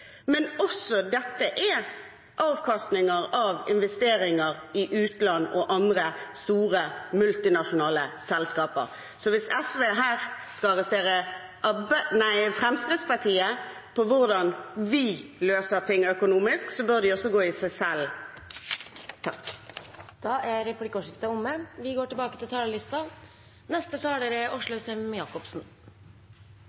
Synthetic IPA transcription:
mɛnɔsɔd̪ɛt̪ːəʔæ | ʔɑːʋkʰɑst̪nɪŋəʁɑʋɪnʋɛst̪eːɾɪŋəʁɪʔʉːt̪lɑnːɔʔɑnd̪ʁəst̪uːʁəmʉlt̪ɪnɑʂʊnɑːləsɛlskɑːpə̰ɾ | sɔʋɪsɛsʋeːɦæːʁ | skɑɑʁɛst̪eːʁə | ʔbnæɪfʁɛmskʁɪt̪spɑʁt̪ʰiːə | pʰɔʋʊʁd̪ɑnʋɪløːsəʁt̪ʰɪŋːœkʊnuːmɪsksɔbœʁd̪ɪɔsːɔɡoːɪsɛsɛl | t̪ʰɑk | d̪̥ɑːæɾɛplɪkːɔʂɪft̪əʊmːəʋɪɡoːʈɪbɑːkət̪ʰɪlt̪ʰɑːləlɪst̪ɑ | nɛst̪əsɔɑɖɛɾɛʊʂlʊœsɛmjɑːkɔpsn̩

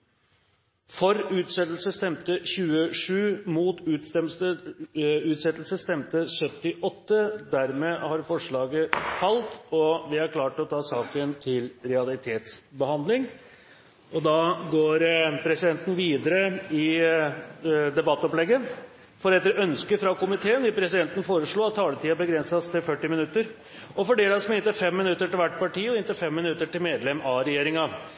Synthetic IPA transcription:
fɔɾʉːt̪sɛt̪əlsəst̪ɛmt̪əɕʉːəʂʉːmuːt̪ʉ | ʉːt̪sɛt̪lsəst̪ɛmt̪əsœt̪ːɪʔɔt̪ːəd̪æɾmeːhɑɾfɔʂɭɑːɡəfɑlt̪ɔʋɪæɾkʰlɑːʈɔt̪ʰɑːsɑːkənt̪ʰɪlɾɛɑlɪt̪ʰeːt̪sbəhɑnd̪lɪŋ | ʔɔd̪ɑːɡoːɾpʰɾɛsɪd̪ɛnt̪n̩ʋiːd̪əɾəɪ | d̪ɛbɑt̪ːɔplɛɡːə | fɔɾɛt̪ːəɾœnskəfɾɑkʊmɪt̪ʰeːənʋɪpʰɾɛsɪd̪ɛnt̪ən̩foːɾəʂɭuːɑt̪ʰːɑːlət̪ʰiːɑbəɡɾɛnsɑst̪ʰɪlfœʈːɪmɪnʉt̪ːəɾ | ɔfɔɖeːd̪ɑsmɪnt̪əfɛmːɪnʉt̪ːəʈɪlʋæʈːpɑʈiːɔɪnt̪əfɛmːɪnʉt̪ːəʈɪlmeːd̪lɛmɑɾɛjeːɾɪŋɑ

